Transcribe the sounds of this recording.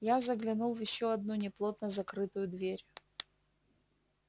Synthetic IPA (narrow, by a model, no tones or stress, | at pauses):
jazəɡlʲɪnulˠvjɪɕːoɐd̪̚nunʲɪplˠo̞t̪nəzɐkɾɨt̪ʊjʊd̪vʲeɾʲ